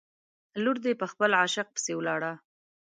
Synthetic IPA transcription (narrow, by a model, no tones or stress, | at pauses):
luɾd̪epəxpəlʕaʃɪq̚pə̥sewlɑɽa